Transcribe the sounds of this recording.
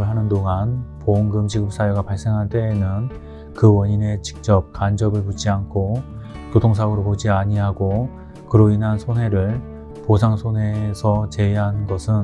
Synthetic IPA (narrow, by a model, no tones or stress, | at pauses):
ɯɭɦanɯndoŋanpoŋɡɯmt͡ɕiɡɯp̚s͈ajoɡapaɭs͈e̞ŋɦaɭt͈e̞ːnɯn | kɯwʌɲine̞t͡ɕi̥k̚t͡ɕ͈ʌp̚kand͡ʑʌbɯɭput͡ɕ͈iankʰo | kodoŋsʰaɡɯɾopod͡ʑiaɲiɦaɡo | kɯɾoinɦansʰonɦe̞ɾɯɭ | posʰaŋsʰone̞sʰʌt͡ɕe̞iɦannɡʌsʰɯn